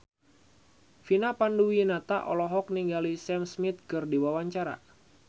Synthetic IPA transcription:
finapanduwinat̪aʔɔ̰lɔɦɔk̚niŋɡalisɛmsmit̪̚kɨrdiwawaɲt͡ʃaɾa̰

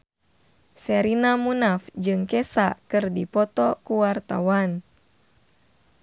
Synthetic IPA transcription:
sɛɾinamunafd͡ʒɨŋkɛsakɨrdipɔt̪ɔkuwart̪a̰wan

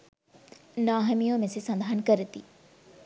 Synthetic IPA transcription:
naːɦəmijõmẽsesɐ̃nd̪ʱaːənkɐɾɪt̪iː

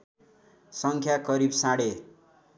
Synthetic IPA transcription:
sʌŋkʰjakʌɾibsaɽe

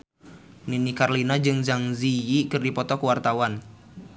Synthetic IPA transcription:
ninikarlinad͡ʒɨŋzaŋzijikɨrdipɔt̪ɔkəwart̪awan

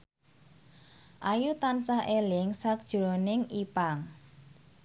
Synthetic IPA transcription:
ʔajut̪ansahʔelɪŋsak̚d̥ʒ̥ɾonɪŋipaŋ

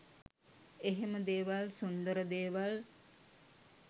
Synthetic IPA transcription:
eɦeməd̪eːʋalsund̪əɾəd̪eːʋal

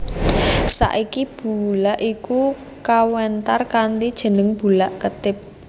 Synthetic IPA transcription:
sa̰ʔikib̥ulaʔiku | kawɛnt̪arkant̪id̥ʒ̥ə̤nəŋb̥ulaʔkət̪ɪp̚

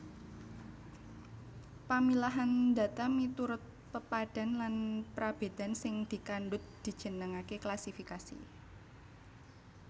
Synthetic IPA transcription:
pamilaɦand̪a̤t̪amit̪uɾʊt̪̚pəpad̥a̤nlanpɾab̥e̤d̪̥a̤nsɪŋd̪̥i̤kanɖʊt̪̚d̪̥i̤̥ʒ̥ə̤nəŋakeklasifikasḭ

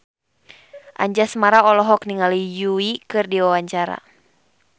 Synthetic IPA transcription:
ʔa̰ɲd͡ʒasəmaɾaɔlɔɦɔkniŋalijuikɨrdiwawaɲt͡ʃaɾa̰

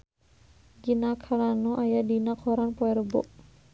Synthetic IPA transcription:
ɡinakʰaɾanuʔajadinakʰɔɾanpɔɛɾbɔ̰ʔ

